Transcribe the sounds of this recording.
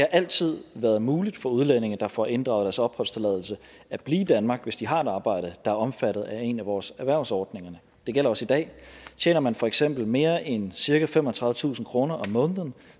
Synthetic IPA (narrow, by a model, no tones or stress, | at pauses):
dihɑ̈ʔæl̰t͡sʰið̞̰ˠʋæɐðˠmuːlid̥fɒ̽uð̞ˠlene̝ŋn̩d̥ɑ̈fɒʔe̝nd̥ʁɑ̈ʊd̥æɐsɒ̽b̥hɒ̽l̰st͡sʰe̝lɛð̞ˠl̩sə | æb̥liːd̥ænmɑ̈ːɡ̥ʋe̝sd̥iɦɑ̈e̝d̥ɑ̈ːb̥ɑ̈ɪ̰ɾ̥əd̥ɑ̈æɐɒ̽mfæɾ̥ð̩ˠæe̝næʋɒːsæɐʋæɐ̰ʊsɒːd̥ne̝ŋɐnə | d̥e̝ɡ̥el̰ɐɒ̽sid̥ɛ̰ːt͡ɕʰḛːnɐmænfɒ̽eɡ̥sem̰b̥l̩me̝ːɐʔensiɐkæfemɒht͡sʰʁɑ̈ðˠʋət͡sʰṵːsn̩kʰʁo̝ːnɐʔɒ̽mːɔ̽ːnðˠən